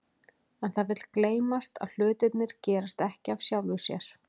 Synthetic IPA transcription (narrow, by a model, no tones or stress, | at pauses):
ɛnθaðvɪt̪lkleːjmast̪a̰ðl̥ʏːt̪ɪt̪nɪɾ̥cɛːɾast̪ɛhcɪav̥sjawlvʏsjɛ̰ɾ̥